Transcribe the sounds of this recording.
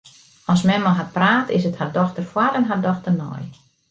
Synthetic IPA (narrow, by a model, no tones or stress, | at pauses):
ɔsmɛmaɦat̚praːtɪ̰səthardɔxtərfwarɛnɦardɔxtərnɔ̰j